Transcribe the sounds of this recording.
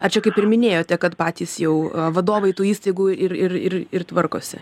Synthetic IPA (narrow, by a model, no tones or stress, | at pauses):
ɐt͡ʃʲɛkɐɪpɪrmʲɪnʲeːjoːt̪ʲɛkɐt̪pɑːt̪ʲiːsjɛʊɐʋɐd̪oːʋɐɪt̪uːiːst̪ɐɪɡuːɪrɪrɪrɪrt̪ʋɐrko̰ːsʲɪ̰